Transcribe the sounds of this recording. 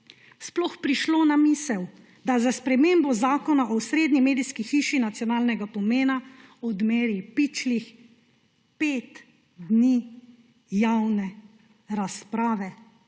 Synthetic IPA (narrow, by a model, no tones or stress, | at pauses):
splɔxpɾiʃloːnamiːsɛw | d̪azaspɾɛmeːmbɔzaːkɔnaʔɔsɾeːd̪nimeːd̪iskixiːʃinat̪sjɔnaːlnɛɡapɔmeːnaɔd̪meːɾipit͡ʃlix | peːt̪ | d̪ni | jawnɛ | ɾaspɾaːʋɛ